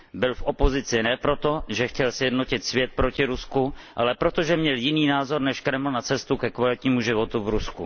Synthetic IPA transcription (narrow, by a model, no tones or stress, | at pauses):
bɪlfʔopo̞zɪt͡sɪnɛpɾo̞t̪o̞ʒɛxcɛlsjɛdno̞cɪt̪svjɛt̪̚pɾocɪɾuskuʔalɛpɾo̞t̪oʒɛmɲɛljɪniːnaːzo̞ɾnɛʃkɾɛml̩nat͡sɛst̪ukɛkvalɪt̪ɲiːmuʒɪvo̞t̪uvɾusku